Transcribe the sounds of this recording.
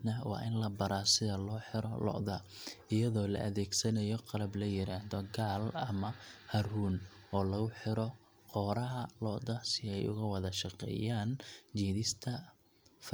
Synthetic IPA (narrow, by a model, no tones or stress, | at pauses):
nɐwɑ̰ːʔɪnlɐbɐɾaːsɪðɐlɔːħɪɾɔlɔ̰ʔðɐɪjɐðɔːlɐ̰ʔɐðɛːɡsɐnɐjɔqɑlɐblɐjɪɾaːhðɔɡaːlɐmɐhɐruːnɔːlɐɣʊħɪɾɔ | qɔːɾɐɦɐlɔʔðɐsɪɛjʊ̰ɣɐwɐðɐʃɑqɛ̰ːjaːnt͡ʃiːðɪst̪ʰɐ | f